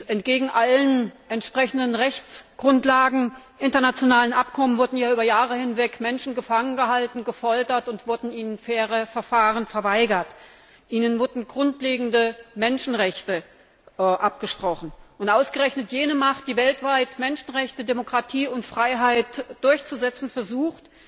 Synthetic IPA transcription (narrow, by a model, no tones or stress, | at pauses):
ɛntɡ̥eːɡŋ̩ʔalənʔɛntʃpʁ̥ɛçn̩dənʁɛçt͡sɡ̥ʁʊntlaːɡŋ̩ | ʔɪntɐnat͡sjonaːlənʔapkʰɔmənvʊɐdn̩jaːʔyːbɐjaːʁəhɪnvɛkmɛnʃn̩ɡəfaŋənɡəɦaltn̩ɡəfɔltɐtʊntv̥ʊɐdn̩iːnənfɛːʁəfɛɐfaːʁənfɛɐvaɪɡɐt | ʔiːnənvʊɐdn̩ɡʁʊntleːɡŋ̩dəmɛnʃn̩ʁɛçtə | ʔapɡ̥əʃpʁ̥ɔχn̩ʔʊntʔaʊsɡ̥əʁɛçnətjeːnəmaχt̚d̥iːvɛltv̥aɪtmɛnʃn̩ʁɛçtədemokʁ̥atʰiːʊntfʁ̥aɪɦaɪtd̥ʊɐçt͡suzɛt͡sn̩fɛɐzuːxt